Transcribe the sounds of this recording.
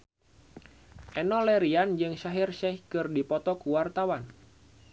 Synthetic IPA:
ʔɛnɔlɛɾiand͡ʒɨŋʃaɦirʃɛhkɨrdipɔt̪ɔkuwart̪awan

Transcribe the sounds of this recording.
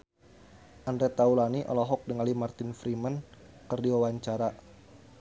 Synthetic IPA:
ʔandɾɛt̪aulaniʔɔ̰lɔɦɔk̚dəŋalimart̪ɪnfɾimən | kərdiwawaɲt͡ʃaɾa

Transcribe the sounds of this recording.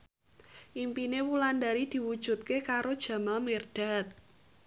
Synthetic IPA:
ʔimpinewulandaɾid̪̥i̤wud̥ʒ̥ṳt̪̚kekaɾod̥ʒ̥a̤malmerd̥a̤t̪̚

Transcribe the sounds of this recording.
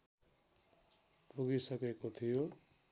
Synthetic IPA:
puɡisʌkekot̪ʰijo

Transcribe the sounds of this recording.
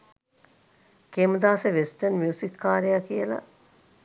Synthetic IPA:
keməd̪aːseʋesʈənmiusikːaːɾejakijəla̰

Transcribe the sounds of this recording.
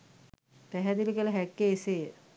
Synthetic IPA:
t̪ɛɦɛd̪ilikiələɦækːeːsejə

